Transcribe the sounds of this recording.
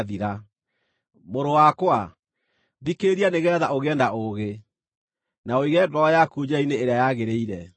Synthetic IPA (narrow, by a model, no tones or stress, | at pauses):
ðiɾa | moɾowakwa | βikeɾianeɣɛːðaoɣɛːndaʔoɣe | naoiɣɛdɔɔjakud͡ʑaineːɾeajaɣeɾeiɾɛ